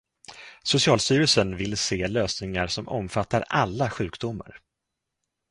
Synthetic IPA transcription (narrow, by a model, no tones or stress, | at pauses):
sʊsɪɑːlst̪yːɾəsənvɪlːseːløːsnɪŋaɾʂɔmɔ̰mfat̪ːaɾalːaɧʉ̟ːkd̪ʊmːa̰ɾ